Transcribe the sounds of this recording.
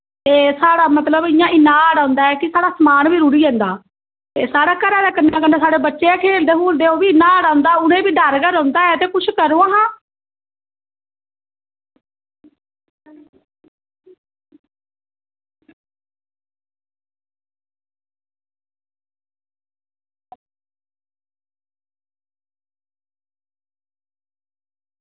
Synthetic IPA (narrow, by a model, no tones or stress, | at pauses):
t̪eːsaːɽaːmət̪ləbɪjãːʔɪnːãːaːɽãːnd̪aːɛːkɪsaːɽaːsəmaːnʋiːɾuːɾiːɦɛ̃ːnd̪aː | t̪eːsaːɽaːkəɾaːd̪aːkɪnːãːkəneːsaːɽeːbətːʃeːaːkʰeːld̪eːɦuːld̪eːoːbiːɪnːãːaːɽaːnd̪aːʊnẽːbiːɖəɾɡəɾɔ̃ːnd̪aːɛːt̪eːkʊt͡ʃʰkəɾõːaːɦãː